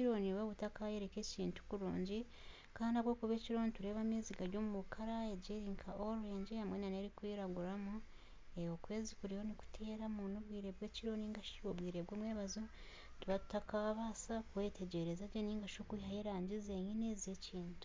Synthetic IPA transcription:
iɾo̞niwoːβutakaje̞ɾekeciːntu̥kuɾṵːɲɟi | kaːndaβwoːkuβeːciɾo̞ːnituɾe̞ːβamiːziɡaɾɟomumukʰaɾaeɟeɾiŋkʰaʔoɾuɾe̞ːɲɟehamwenaneɾikwiɾaɡuɾamu | eokwe̞ːzikuɾiho̞niku̥tʰe̞ːɾamunobwiːɾe̞bɡweːciɾo̞niːŋɡaʃiobwiːɾebɡoːmweːβazo | tuβatu̥takaβaːsakuwe̞ːte̞ɟe̞ɾezaɟoniːŋɡaʃokwiɦajeɾaːɲɟizeɲineːzieciːntu̥

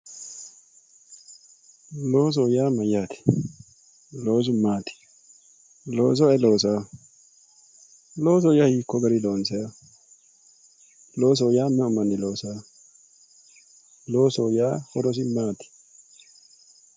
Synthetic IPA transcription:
lo̞ːs̬oːjaːmɐjaːt̪ʰɛ̥ | lo̞ːs̬ʊmaːt̪ɪ̥ | loːs̬ɔɛlo̞ːsaː | loːs̬ɔjahiːkːɔɡɐɾɪloːnsɛja | lo̞ːs̬oːjaːmːɛʊmɐnːɛloːsaː | lo̞ːsoːjaːhɔɾɔs̬ɪmaːt̪ɪ̥

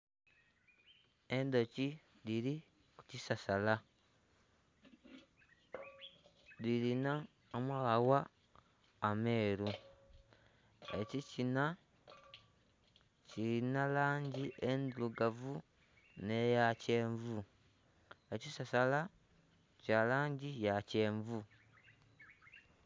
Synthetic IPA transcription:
e̞nd̪o̞ci | diɾi | ku̥cisasala | dilina | omaɣawaː | me̞ːɾu | ḛcicina | ciɾinalaːɲɟiʔend̪uluɡavu | nejace̞ːɱvu | e̞cisasala | calaːɲɟijace̞ːɱvu

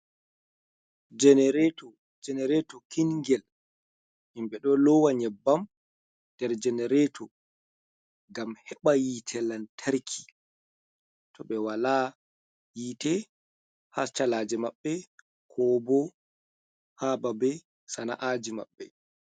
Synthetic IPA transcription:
d͡ʒɛnɛɾɛtɔ | d͡ʒɛnɛɾɛtɔkinŋɡɛl | ʔimbɛɗɔlɔwaɲɛbːam | d̥ɛɾd͡ʒɛnɛɾɛtʰɔ | ɡamhɛɓajitʰɛlantʰaɾkʰi̥ | tʰɔɓɛwala | jiːtɛ | hat͡ʃalaːd͡ʒɛmaɓːɛ | kʰɔːbɔ | hababɛ | sana̰ʔad͡ʒima̰ɓːɛ

